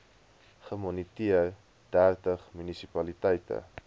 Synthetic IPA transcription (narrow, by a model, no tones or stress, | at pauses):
χəmɔnitiər | dærtəχmynisipɐlitɛjtə̰